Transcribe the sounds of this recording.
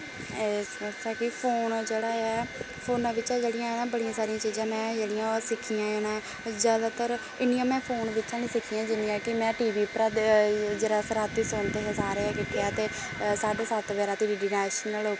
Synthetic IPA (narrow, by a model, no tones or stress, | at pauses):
eət͡ʃʰaːkɪpʰoːnd͡ʒeːɽaːɛː | pʰoːnãːʋɪt͡ʃãːd͡ʒeːɽɪjãeːnãːbəɽijãːsaːɾijãːt͡ʃiːzãːmɛ̃ːd͡ʒeːɽijãːsɪkʰːijãːeːnãː | zjaːd̪aːt̪əɾ | ɪnɪjãːmɛ̃ːpʰoːnʋɪt͡ʃãːnĩːsɪkʰːijãːd͡ʒɪnijãːkɪmɛ̃ːʈiːʋiːpɾaːd̪d͡ʒeːɽaːsəɾaːt̪ːiːsoːnt̪eːsəzaːɾaːkɪʈʰeaːt̪eː | saːɖeːsət̪ʋɛːɾaːt̪iːiɖɪnɛːʃnəlɦoː